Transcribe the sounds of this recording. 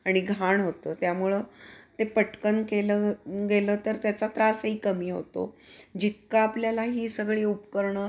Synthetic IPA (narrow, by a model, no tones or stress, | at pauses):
aɽ̃iɡʱaɳɦot̪əːt̪jamuɭət̪epəʈkənkeləɡeləːt̪əɾt̪jat͡sat̪ɾasɦiːkəmiːɦo̰t̪o̰d͡ʑit̪kaːpljalaɦiːsəɡɭiːupkəɾɳəː